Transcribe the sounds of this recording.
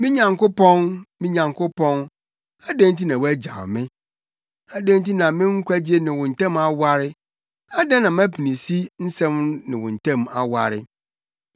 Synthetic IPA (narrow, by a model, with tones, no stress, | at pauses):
mɪ̃˦ɲã˨ŋkʊ˦pɔ̃˦nmɪ̃˦ɲã˨ŋkʰʊ˦pɔ̃˦n | a˦dɛ̃˦n˦t̬i˦nã˨wæ˦d͡ʑa̰˨mɪ̃˦ | a˨dɛ̃˦nt̬i˦nã˨mɪ̃˦ŋ̩˦kʷʰæ˦d͡ʑi˦e˦nɪ̃˨wʊ̃˨n̩˨tɛ̃˦˨ma˨wa˦ɾɪ˦ | a˦dɛ˦nã˨mæ˦pʰi˨nĩ˨si˦n̩˦sɛ̃˦mnɪ̃˨wʊ̰̃˨n̩˨tʰɛ̃˦ma˨wa̰˨ɾɪ˦